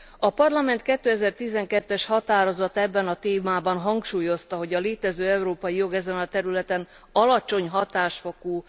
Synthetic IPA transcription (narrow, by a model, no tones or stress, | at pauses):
ɒpɒrlɒmɛnt̪kɛt̪ːøːɛzɛrt̪izɛŋkɛt̪ːɛʃhɒt̪aːɾo̞zɒt̪ɛbːɛnɒt̪eːmaːbɒnɦɒŋkʃuːjo̞st̪ɒɦo̞ɟɒleːt̪ɛzøːɛuɾoːpɒjijo̞ɡɛzɛnɒt̪ɛɾylɛt̪ɛn | ɒlɒt͡ʃo̞ɲɦɒt̪aːʃfokuː